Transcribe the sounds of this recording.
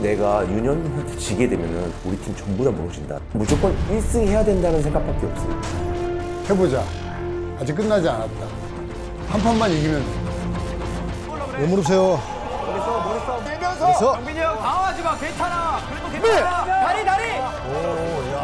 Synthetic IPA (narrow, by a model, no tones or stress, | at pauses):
ne̞ɡajuɲʌnhatʰo̥t͡ɕiɡe̞dwe̞mjʌnɯnuɾitʰimt͡ɕʌŋbudamuɾʌd͡ʑinda̰mud͡ʑok͈wʌniɭs͈ɯŋihe̞jadwendanɯnsʰe̞ŋɡak̚p͈ak͈e̞ʌp̚s͈ɯo | he̞bod͡ʑa | ad͡ʑik͈ɯnːad͡ʑianat̚t͈a | pʰampʰanmanjeɡimjʌnʰʌ | nomuɾopsʰejo | sʰsʌ | iaket͡ɕʰana | eaai | o